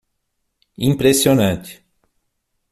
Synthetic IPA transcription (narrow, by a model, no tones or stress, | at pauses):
ĩpɾesionɐ̃nt̪ɪ̥